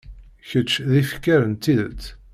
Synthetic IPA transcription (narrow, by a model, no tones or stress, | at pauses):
çət͡ʃːðifəkːæɾənt̪ːiðə̰t͡s̪ː